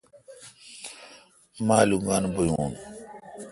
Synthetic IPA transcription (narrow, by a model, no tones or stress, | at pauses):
maːluŋɡanbojuːn